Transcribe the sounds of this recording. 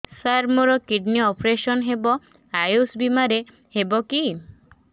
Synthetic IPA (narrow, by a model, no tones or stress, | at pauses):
saɾmuɾɔkiɖniɔpɾesɔnɦebɔ | ajusbimaɾe | hebɔki